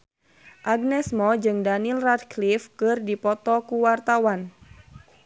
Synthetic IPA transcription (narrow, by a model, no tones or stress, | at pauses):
ʔaɡnɛsmɔd͡ʒɨŋdanilradklifkɨrdipɔt̪ɔkuwart̪awan